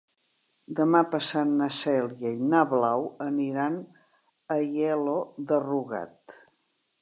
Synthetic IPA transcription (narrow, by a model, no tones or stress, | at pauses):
d̪əmapəsanːəsɛljəinaβlawəniɾan | əjɛloðəruɣa̰t̪